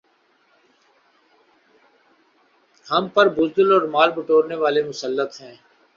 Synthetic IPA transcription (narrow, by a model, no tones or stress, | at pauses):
həmpəɾbʊzd̪əlɔːɾmaːlpəʈoːɾneːʋaːleːmʊsəlːət̪ɦɛ̃ː